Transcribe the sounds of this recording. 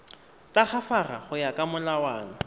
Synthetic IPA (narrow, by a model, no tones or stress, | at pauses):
taχafara̰χʊjakʼamʊlawaːnɔ